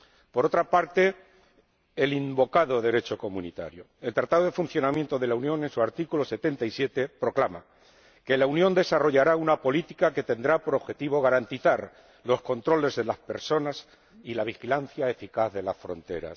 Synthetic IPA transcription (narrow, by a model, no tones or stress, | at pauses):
po̞ɾo̞t̪ɾapaɾt̪e̞ | limbo̞kaðo̞ðe̞ɾe̞t͡ʃo̞ko̞mũnit̪a̰ɾjo̞e̞lt̪ɾat̪aðoðe̞fun̟θjo̞namjent̪o̞ðe̞launjo̞ŋe̞nsuaɾt̪ikulo̞se̞t̪e̞nt̪aisje̞t̪e̞pɾo̞klama | ke̞launjo̞nd̪e̞saro̞ʝaɾaunapo̞lit̪ikake̞t̪e̞nd̪ɾapo̞ɾo̞βxe̞t̪iβ̞o̞ɣaɾant̪iθaɾ | lo̞sko̞nt̪ɾo̞le̞zðe̞laspe̞̰ɾso̞nas | ilaβ̞ixilan̟θjae̞fikaððe̞lasfɾo̞̰nt̪e̞̰ɾa̰s